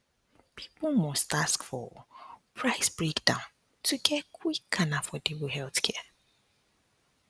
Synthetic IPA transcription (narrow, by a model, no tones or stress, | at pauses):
pʰi̥pʊmɔstaskfɔ̰pʰɹaɪsb̥ɹekdãʊ̃n | tʰuɡʰɛkʰwikʰːanafɔdewuɦɛlθkʰɛ